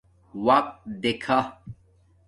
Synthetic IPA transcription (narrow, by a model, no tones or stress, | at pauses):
waq̚d̪ekʰa